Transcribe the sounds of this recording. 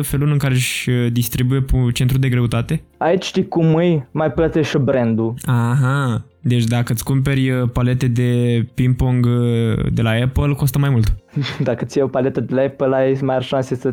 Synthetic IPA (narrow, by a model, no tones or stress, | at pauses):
fe̞lulɨŋkaɾeʃʲəd̪ist̪ɾibujept͡ʃe̞nt̪ɾud̪e̞ɡɾe̞ut̪at̪e̞ait͡ʃʲʃt̪ijkumːɨjmajplət̪eʃbɾend̪uaɦa | d̪e̞t͡ʃʲd̪akət̪sʲkump̬e̞ɾʲəpalet̪e̞d̪e̞pimpoŋɡd̪e̞laepəlko̞st̪əmajmult̪d̪akət̪sijeopalet̪əd̪elaepəlaemajarʃãnsesə